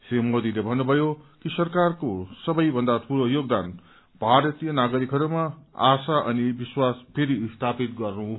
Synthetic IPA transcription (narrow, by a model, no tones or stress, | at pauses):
semod̪ilebʱʌnːubʱʌjokisʌrkarkosʌbʌjbʱʌnd̪at̪ʰuɽojoɡ̚d̪an | bʱaɾʌt̪ijʌnaɡʌɾikɦʌɾumaa̰saʔʌnibiswaspʰeɾist̪ʰapit̪ɡʌrnu